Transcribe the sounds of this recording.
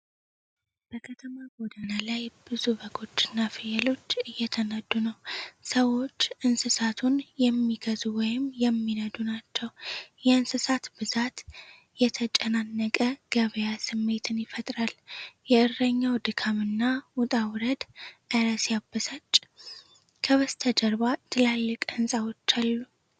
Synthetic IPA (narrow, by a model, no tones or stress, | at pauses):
b̥əkʰət̪ʰəmabod̪analajb̥ɨzubəɡo̞t͡ʃːɨnːafɨjɛlo̞t͡ʃːɨjːɛt̪ʰənəd̪unəwsəwo̞t͡ʃːʔɨnsɨsat̪ʰunjɛmːiɡəzuwɔjɪmjɛmːinəd̪unat͡ʃːɛwjɛɨnsɨsat̪bɨzat̪ | jɛt̪ʰət͡ʃʼɛnanːəkʼəɡ̥əβəjasɨmːe̞t̪ʰɨnjɪfət̪ʼɾaljɛʔɨrəɲːawd̪ɨkʰamɨnːawʊt̪ʼawɾəd̪ʔɨɾəsjabːəsat͡ʃːʼ | kʰəβəst̪ʰəd̪əɾbat̪ʰɨlalːɨkʼɨnsʼawo̞t͡ʃːalːu